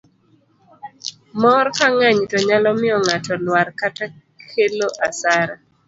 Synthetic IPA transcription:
mɔɾkaŋaɲtoɲalɔmɪɔŋatɔlwaɾkata | kʰeloʔasaɾa

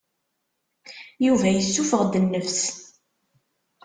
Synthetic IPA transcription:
juvæjəsːufəʁd̪ənːəfs

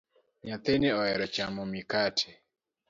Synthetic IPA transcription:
ɲat̪eneɔɛɾɔt͡ʃamɔmikatʰɛ̥

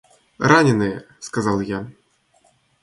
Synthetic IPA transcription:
ranʲɪnɨjɛ | skazɑlˠja

